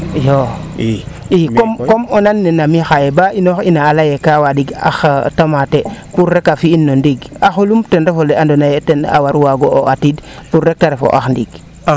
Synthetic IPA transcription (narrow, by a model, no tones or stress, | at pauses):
jo | ikomkomonanːenamixajebainoxinaːlajekawadiɡa̰xtamatepuɾːekafiːnːondiɡaxolumtendefoleandonajetena̰waɾwaɡooatidpuɾek̚taɾefo̰ʔa̰xndiɡ